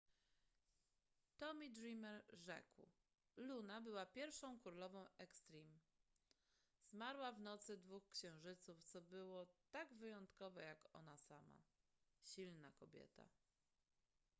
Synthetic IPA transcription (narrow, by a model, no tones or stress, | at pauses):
t̪ɔmʲid̪ɾimɛɾʐɛ̰kw | lunabɘwapʲjɛɾfʂɔ̃w̃kuɾlɔvɔ̃w̃ɛkst̪ɾʲim | z̥maɾwavnɔt̪sɘd̪vuxkɕɛ̃w̃ʐɘt̪suft̪sɔbɘwɔt̪aɡvɘjɔnt̪kɔvɛjakɔ̰nasama̰ | ɕilnakɔbʲjɛ̰t̪a̰